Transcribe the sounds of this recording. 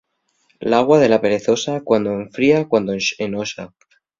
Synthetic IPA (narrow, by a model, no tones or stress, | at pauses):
laɣwað̞e̞lape̞ɾe̞θo̞sakwand̪oeɱfɾiakwand̪oʃenoʃa̰